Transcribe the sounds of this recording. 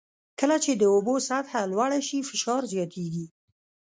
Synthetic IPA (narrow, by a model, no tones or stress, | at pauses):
kəlat͡ʃed̪əobosat̪halwaɽaʃifɪʃɑɾzjɑt̪ʰeɡi